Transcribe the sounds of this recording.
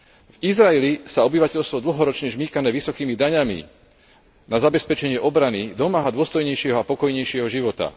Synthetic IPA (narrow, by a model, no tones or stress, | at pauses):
vizɾaɛlisaɔbiʋacɛʎst̪ʋɔd̪l̩ɦɔɾɔt͡ʃɲɛʒmiːkanɛːʋisɔkiːmid̪aɲamḭ | nazabɛspɛt͡ʃɛɲɪɛʔɔbɾanid̪ɔmaːɦad̪ʊɔst̪ɔjɲɛjʃɪɛɦɔapɔkɔjɲɛjʃɪɛɦɔʒiʋɔt̪a̰